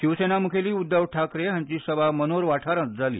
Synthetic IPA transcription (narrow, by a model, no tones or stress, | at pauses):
ɕiʋsenamukʰeliːud̪ːəʋʈʰakɾeɦãɲt͡ɕiːsəbamənoɾʋaʈʰaɾə̃t̪̚d͡zalḭː